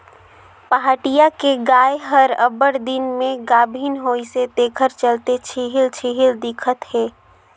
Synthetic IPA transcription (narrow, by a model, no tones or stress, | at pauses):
pəɦaːʈijakeɡaːjɦəɾəbəɽd̪ɪnmẽɡaːbʱinɦoːiset̪eːkʰəɾt͡ʃəlt̪et͡ʃʰiɦɪlt͡ʃʰiɦɪld̪ɪkʰət̪ɦeː